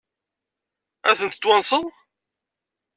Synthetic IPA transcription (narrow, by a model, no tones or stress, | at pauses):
æθənt̪t̪ːwɑnsˤəðˤ